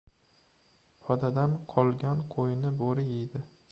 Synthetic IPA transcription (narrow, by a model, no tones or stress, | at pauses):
pʰɒd̪ad̪anqʰɒlˠɡʲanqʰojɪnɪboɾɪjejd̪ɪ